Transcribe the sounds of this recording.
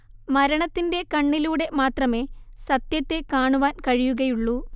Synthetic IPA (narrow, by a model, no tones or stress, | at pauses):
mɐɾɐɳɐt̪ːinde̞kɐɳːiluːɽe̞maːt̪rɐme̞ːsɐt̪jɐt̪ːe̞kaːɳuʋaːnkɐɻijuɣɐjuɭːu